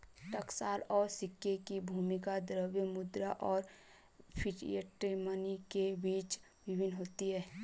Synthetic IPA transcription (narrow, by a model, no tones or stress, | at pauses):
ʈəksaːlɔːɾsɪkːekibʱuːmɪkad̪ɾəwemʊd̪ɾaʔɔːɾ | pʰɪʈḭeʈɾimənikebiːt͡ʃ | ʋɪbʱɪnːɦoːt̪iɦɛː